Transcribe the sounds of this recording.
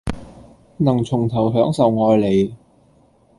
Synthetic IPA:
nɐ˨˩ŋt͡sʰʊ˨˩ŋt̪ʰɐ˨˩wɦœː˨˥ŋsɐ˨wŋɔː˨˧jle˨˧j

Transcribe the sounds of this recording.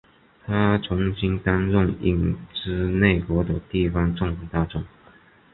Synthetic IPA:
t̪ʰa˥t͡sʰʊ˧˥ŋɕi˥nt̪a˥nɻʊ˥˧ŋḭ˥˩ŋʈ͡ʂɻ̩˥ne˥˩ɪkwɔ˧˥d̪ə˨t̪i˥˩fɑ˧˥ŋʈ͡ʂʊ˥˧ŋ˧t̪a˥˩ʈ͡ʂʊ˨˩˦ŋ

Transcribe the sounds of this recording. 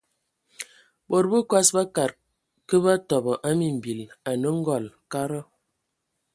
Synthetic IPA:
bɔ˨ɾbə˦kwa˦sba˦ka˨ɾ | kə˦ba˦tɔ˨bɔ˨ʔa˦mi˨m̩˨bi˨la˨nə˦ŋ̩˦ɡɔ˨lka˦ɾɔ˦

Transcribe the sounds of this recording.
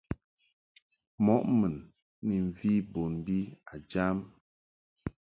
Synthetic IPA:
mɔ˦ʔmə˨n | ni˨ɱ˨vi˦bo˨nbi˦a˨d͡ʒa˦m

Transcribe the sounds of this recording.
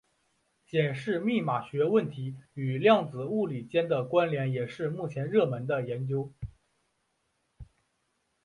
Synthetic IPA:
ɕjɛ˨˩nʂɻ̩˥˧mi˥˩ma˨˩ɕɥɛ˧˥wə˥˩nt̪ʰi˧˥y˨˩ljɑ˥˩ŋd͡zɹ̩˨˩u˥˩li˨˩t͡ɕjɛ˥nd̪ə˨kwa˥nljɛ˧˥njɛ˨˩ʂɻ̩˥˧mu˥˩t͡ɕʰjɛ˧˥nɻɤ˥˩mə˧˥nd̪ə˧jɛ˧˥nt͡ɕjo˥ʊ

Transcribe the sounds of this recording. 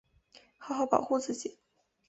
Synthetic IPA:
xɑ˧˥xɑ˧˥ʊpɑ˨˩ʊxu˥˧t͡sɹ̩˥˩t͡ɕḭ˨˩˦

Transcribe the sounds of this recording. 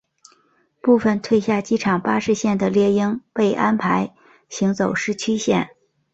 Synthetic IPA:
pu˥˩fə˨˩nt̪ʰwe˥˧ɪɕja˥˩t͡ɕi˥ʈ͡ʂʰɑ˨˩ŋpa˥ʂɻ̩˥˧ɕjɛ˥˩nd̪ə˩ljɛ˥˧i˥ŋpe˥˩ɪʔa˥npʰa˧˥ɪ | ɕi˧˥ŋt͡so˨˩ʊʂɻ̩˥˩t͡ɕʰy˥ɕjɛ̰˥˩n

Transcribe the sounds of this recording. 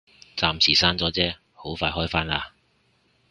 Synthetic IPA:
t͡saː˧msiː˨˩saː˥nt͡sɔː˨˥t͡sɛː˥ | ho˨˥wfaː˧jhɔː˥jfaː˥naː˧

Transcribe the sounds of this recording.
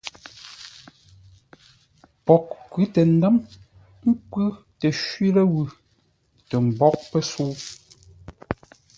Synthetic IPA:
pɔ˨k̚kʉ˨˦tɛ˨n̩˦də˦m | ŋ̩˦kʉ˦ | tɛ˨ʃwɥi˦lɛ˦ɣʉ˦˨ | tɛ˨m̩˨bɔ˦k̚pɛ˦suː˦

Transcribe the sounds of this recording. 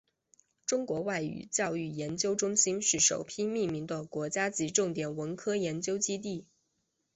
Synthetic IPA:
ʈ͡ʂʊ˥ŋkwɔ˧˥wa˥˩ɪy̰˨˩t͡ɕjɑ˥˧ʊy˥˩jɛ˧˥nt͡ɕjo˥ʊʈ͡ʂʊ˥ŋɕi˥nʂɻ̩˥˩ʂo˨˩ʊpʰi˥mi˥˩mi˧˥ŋd̪ə˧kwɔ˧˥t͡ɕja˥t͡ɕi˧˥ʈ͡ʂʊ˥˩ŋt̪jɛ˨˩nwə˧˥nkʰɤ˥jɛ˧˥nt͡ɕjo˥ʊt͡ɕi˥t̪̬i˥˩

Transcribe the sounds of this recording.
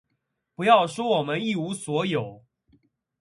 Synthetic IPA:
pu˧˥jɑ˥˩ʊʂwɔ˥wɔ˨˩mə˦ni˥˩u˧˥swɔ˧˥jo˨˩˦ʊ

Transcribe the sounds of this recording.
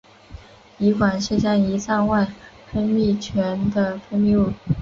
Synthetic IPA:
i˧˥kwa˨˩nʂ̩˥˧ɕja˥˩ŋi˧˥sa˥˧nwa˥˩ɪ | fə˥nmi˥˩t͡ɕʰɥɛ˧˥nd̪ə˧fə˥nmi˥˧u˥˩

